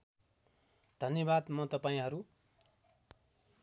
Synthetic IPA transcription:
d̪ʱʌnjʌbad̪mʌt̪ʌpaĩɦʌɾu

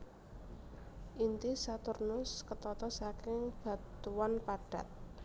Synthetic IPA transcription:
ʔint̪isat̪ʊrnʊskət̪ɔt̪ɔsakɪŋb̥ä̤t̪uwanpaɖ̥a̤t̪̚

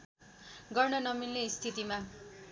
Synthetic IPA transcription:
ɡʌrnʌnʌmilːest̪ʰit̪ima

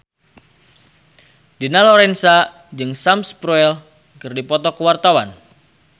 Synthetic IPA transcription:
dinalɔɾɛnsa | d͡ʒɨŋsamspɾuɛl | kɨrdipɔt̪ɔkəwart̪awan

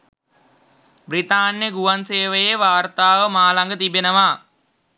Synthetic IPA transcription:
brit̪aːnjəɡuʋanseːʋəjeʋaːrt̪aːʋəmaːlaŋɡət̪ibenəʋa

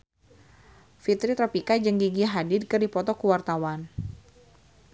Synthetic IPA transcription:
fit̪ɾit̪ɾapikad͡ʒəŋɡiɡiɦadɪdkərdipɔt̪ɔkuwart̪awan

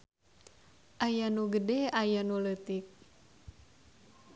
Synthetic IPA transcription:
ʔajanuɡədɛajanulət̪ik̚

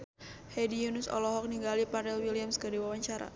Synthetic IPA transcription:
hɛdijunʊsɔ̰lɔɦɔk̚niŋɡalipaɾɛlwiliamskədiwawaɲt͡ʃaɾa̰

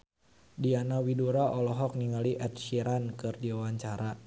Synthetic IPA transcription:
dianawiduɾaʔɔlɔɦɔk̚niŋaliʔɛt̪̚ʃiɾankɨrdiawaɲt͡ʃaɾa

